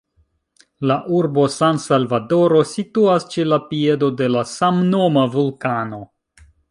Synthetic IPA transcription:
laʔuɾbo̞sansalvado̞ɾo̞situast͡ʃelapie̞do̞de̞lasamnomavulkano̞

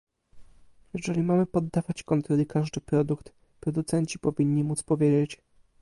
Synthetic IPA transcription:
jɛʐɛlʲimamɘpɔd̪ːavat͡ɕkɔnt̪ɾɔlʲikaʐd̪ɘpɾɔd̪ukt̪ | pɾɔd̪ut̪sɛɲt͡ɕipɔvʲiɲːimut̪spɔvʲjed͡ʑet͡ɕ

